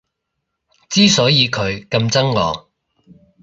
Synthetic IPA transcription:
t͡siː˥sɔː˨˥jiː˨˧kʰɵ˨˧ɥkɐ˧mt͡sɐ˥ŋlɔ̰ː˨ŋ

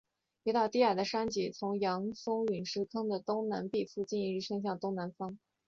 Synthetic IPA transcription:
pi˧˥t̪ɑ˥˩ʊt̪i˥a˨˩d̪ə˦ʂa˥nt͡ɕi˧˩t͡sʰʊ˧˥ŋjɑ˧˥ŋfʊ˥ŋy˨˩nʂɻ̩˥kʰɤ˥ŋd̪ə˨t̪ʊ˥ŋna˧˥npi˥˧fu˥˧t͡ɕi˥˩ni˧˥ɻ̩˥˩ʂɤ˥ŋɕ̬jɑ˥˩ŋt̪ʊ˥ŋna˧˥nfɑ˥ŋ

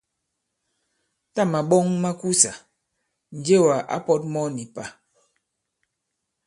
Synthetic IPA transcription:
ta˦˨ma˨ɓɔ˦ŋma˦ku˦sa˨ | n̩˨d͡ʒe˦˨wa˨ʔa̰˦pɔ˦t̚mɔ˦ni˨pa˨

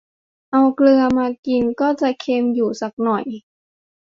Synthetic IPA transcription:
ʔa˧wklɯ˧ɐmaː˧ki˧nkɔː˥˩t͡ɕa˨˩kʰeː˧mjuː˨˩sa˨˩k̚nɔ˨˩j

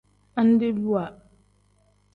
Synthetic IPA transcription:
a˦n˦de˦bu˦wa˨

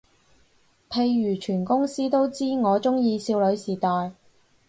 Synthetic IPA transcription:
pʰe˧jɥyː˨˩t͡ʃʰyː˨˩nkʊ˥ŋsiː˥t̪o˥wt͡siː˥ŋɔː˨˧t͡ʃʊ˥ŋjiː˧siː˧wlɵ˨˧˥ɥsiː˨˩t̪ɔː˨j

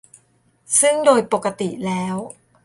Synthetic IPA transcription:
sɯ˥˩ŋdoː˧jpo˨˩kːa˧t̪i˨˩lɛː˦˥w

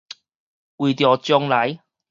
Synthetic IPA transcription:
wu˨˩t̪i˨˧ɔː˨˧t͡ʃɔ˧ŋlɐ˨˥j

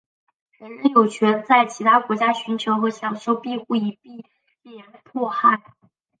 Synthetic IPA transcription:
ɻə˧˥nɻə˧˥njo˨˩ʊt͡ɕʰɥɛ˧˥nt͡sa˥˩ɪt͡ɕʰi˧˥t̪ʰa˥kwɔ˧˥t͡ɕja˥ɕy˧˥nt͡ɕʰjo˧˥ʊxɤ˧˥ɕjɑ˨˩ŋɕjo˥ʊpi˥˧xu˥˩i˧˥pi˥˩ | lɛ˧˥˩npʰwɔ˥˧xa˥˩ɪ

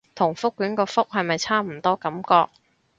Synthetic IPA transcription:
t̪ʰʊ˨˩ŋfʊ˥kːyː˨˥nkɔː˧fʊ˥k̚hɐ˨jmɐ˨jt͡sʰaː˥m̩˨˩t̪ɔː˥kɐ˨˥mkɔː˧k̚

